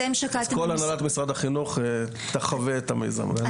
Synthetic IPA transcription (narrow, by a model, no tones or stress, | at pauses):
emʃakakolanalat̪misʁad̪aχinuχ | t̪aχaveet̪amḛjza̰m